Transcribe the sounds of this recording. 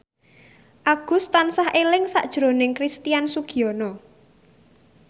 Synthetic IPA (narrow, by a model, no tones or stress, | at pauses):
ʔaɡ̥ʊ̤st̪ansahʔelɪŋsa̰ʔd̥ʒ̥ɾo̤nɪŋkɾist̪ijansuɡ̥i̤ɔnɔ